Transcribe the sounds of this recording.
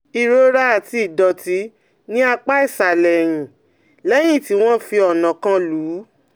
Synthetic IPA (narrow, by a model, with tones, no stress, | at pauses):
i˨ɾo˦ɾa˦˨ti˧i˦˨dɔ˨ti˨˦ | nĩ˦a˧k͡pa˦i˦˨sa˨lɛ˨ɾ̃ĩ˨ | lɛ˦j̃ĩ˦˨ti˨˦w̃ɔ̃˦fi˧ɔ˨nã˨kã˧˦luː˨˦